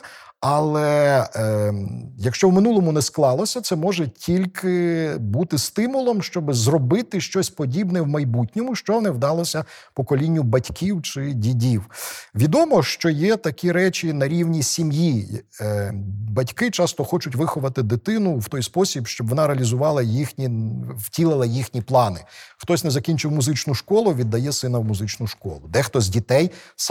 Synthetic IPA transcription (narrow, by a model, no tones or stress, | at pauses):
ɐlˠɛ | jɐkʃt͡ʃɔwmɪnulˠɔmʊnɛsklˠɑlˠɔsʲɐt̪sɛmɔʒɛtʲʰilʲkʰɪbut̪ɪst̪ɪmʊlˠɔmʃt͡ʃɔbɪzrɔbɪt̪ɪʃt͡ʃɔsʲpɔdʲibnɛwmɐjbutʲnʲɔmʊʃt͡ʃɔnɛwd̪ɑlˠɔsʲɐpɔkɔlʲinʲːʊbɐtʲkʲʰiwt͡ʃɪdʲidʲiwʋʲid̪ɔmɔʃt͡ʃɔjɛt̪ɐkʲiɾɛt͡ʃʲinɐɾʲiwnʲisʲimji | bɐtʲkɪt͡ʃɑst̪ɔxɔt͡ʃʊtʲʋɪxɔʋɐt̪ɪd̪ɪt̪ɪnʊwt̪ɔjspɔsʲibʃt͡ʃɔbʋɔnɑɾeɐlʲizʊʋɑlˠɐjixnʲiwtʲilˠɪlˠɐjixnʲiplˠɑnɪxt̪ɔsʲnɛzɐkʲinʲt͡ʃɪwmʊzɪt͡ʃnʊʃkɔlˠʊʋʲid̪ːɐjɛsɪnɐwmʊzɪt͡ʃnʊʃkɔ̰lˠʊd̪ɛxt̪ɔzʲdʲit̪ɛjs